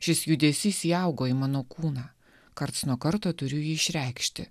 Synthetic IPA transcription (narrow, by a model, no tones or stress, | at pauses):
ʃʲɪsjud̪ʲeːsʲiːsiːɑˑʊɡoːimɑːnoːkuːnɑː | kɐɾt̪snuɔkɐɾt̪oːt̪ʊɾʲʊjiːɪʃʲɾʲɛɪkʃʲt̪ʲɪ̰